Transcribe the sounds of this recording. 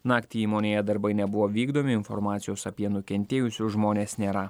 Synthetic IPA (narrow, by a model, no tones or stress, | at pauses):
nɑːkʲt̪ʲiiːmoːnʲeːjɛd̪ɐɾbɐɪnʲɛbʊʋoːʋʲiːɡd̪oːmʲɪɪnfɔ̰ɾmɑːt̪sʲɪjoːsɐpʲiɛnʊkʲɛnʲt̪ʲeːjʊsʲoːʒmoːnʲeːsnʲeːɾɐ